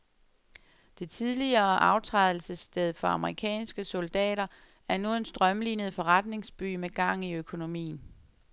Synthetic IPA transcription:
d̥e̝t͡sʰiðˠliɐːʔɑ̈ʊt͡sʰʁɑðˠl̩səsd̥eð̞ˠfɒ̽ɑ̈məʁikʰɛ̰ːnsɡ̥əso̝ld̥ɛ̰ːɾɐ | æɐnuensd̥ʁɶmliːnəð̩ˠfɒ̽ʁad̥ne̝ŋsb̥y̰ːmeɡ̥ɑ̈ŋ̰iøkʰo̝no̝mḭːn̩

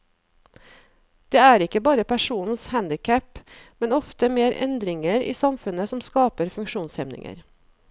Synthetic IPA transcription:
d̪̥eːæːɾɪkəbɑːɾəpʰæʃuːnn̩shænd̪ɪkʰæpmɛnɔft̪əmeːɾʔɛ̰nd̪ɾɪŋəɾḭːsɑmfʉnəsɔmskɑːpəɾfʉŋkʃuːnshɛmnɪ̰ŋə̰ɾ

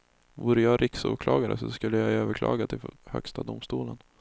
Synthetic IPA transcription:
vuːɾəjɑɾʔɪksuːkʰlɑːɡaɾə̰sɔskɵlːəjaøːvəɾkʰlɑ̰ːɡad̪̚t̪ʰɪhœ̰kst̪ʰad̪ʊmst̪uːlən

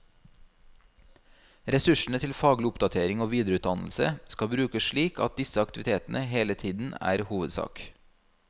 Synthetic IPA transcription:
ɾɛsʉʃɳ̩ət̪ʰɪlfɑːɡlɪʊpd̪ɑt̪ʰeːɾɪŋoːʋiːd̪ɾʉːt̪̚d̪ɑnl̩sə̰skɑbɾʉːkəsʃɭiːkʰɑ̰t̪̚d̪ɪsəɑkt̪ɪʋɪt̪ʰeːt̪n̩ʔəheːlət̪ʰiːd̪n̩æ̰ːɾhuːʋəd̪sɑ̰ːk

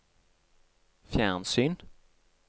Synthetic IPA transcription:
fjæʁnsyːn

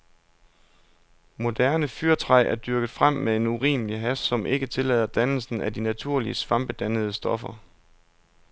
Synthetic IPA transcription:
mo̝d̥æɐnəfyɐt͡sʰʁɑ̈ɪ̰ʔæɐd̥yɐɡ̥ð̩ˠfʁam̰meðe̝nuʁḭːməliɦæsːɒ̽mʔe̝ɡ̥ət͡sʰe̝lɛ̰ðˠɐd̥ænl̩sn̩æd̥inæt͡sʰuɐ̰liəsʋɑ̈mb̥əd̥ænəð̞ˠəsd̥ɒ̽fɐ

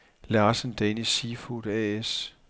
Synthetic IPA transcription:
lɑ̈ːsən̩d̥enisiːfud̥ɛes

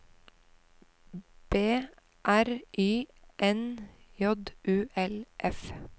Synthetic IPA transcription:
b̥eː | ʔæɾʔiːʔɛnjɔd̪ʔʉːʔɛlʔɛf

